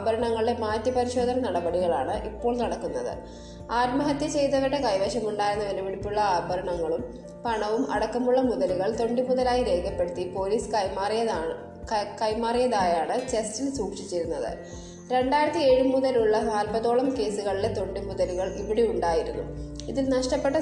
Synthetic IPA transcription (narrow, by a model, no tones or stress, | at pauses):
abʱɐɾɐɳɐŋːɐɭie̞maːtːjɐpɐɾiɕo̞ːd̪ʱɐnɐnɐɽɐbɐɽiɣɐɭa̰ːɳɨʔipːo̞ːɭnɐɽɐkːunːɐðɨ̰ | aːtmɐɦɐt̪jɐt͡ɕe̞jt̪̬ɐʋɐɽekɐjʋeːɕɐmuɳɖaːjɾunːɐʋɐlɐʋiɽipːuɭːɐaːbʱɐɾɐɳɐŋːɐɭum | pɐɳɐʋumɐ̰ɽɐkːɐmuɭːɐmuðɐluɣɐɭt̪o̞ɳɖɨmuðɐlaːjiɾe̞ːɡɐpːeɽut̪ːipo̞ːliːsɨ̥kɐjmaːrijɐð | kɐjmaːrijɐðaːjaːɳɨt͡ɕe̞stilsuːkʂit͡ɕːiɾunːɐðɨ̰ | ɾe̞ɳɖaːjiɾɐt̪ːie̞ːɻumuðɐluɭːɐnaːlpɐðo̞ːɭɐmke̞ːsuɣɐɭile̞t̪o̞ɳɖimuðɐluɣɐɭiʋiɽeuɳɖaːjiɾunːṵ | iðilnɐʂʈɐpːe̞ʈːɐ